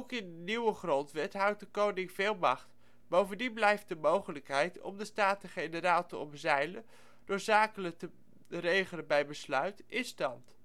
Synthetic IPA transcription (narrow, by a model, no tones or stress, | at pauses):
wkɪndəniwəχrɔntʋɛtɦʌwt̚dəkownɪŋv̥ɪːlˠmɑχt | bowvəndinblɛjft̚dəmowχələkɦɛjtɔ̰mdəstaːtəχejnəɾaːlˠtəɔ̰mzɛjlə | d̥ʊɹzaːkələk̚tə | rejχələnbɛjbəslœɥtɪnstɑnt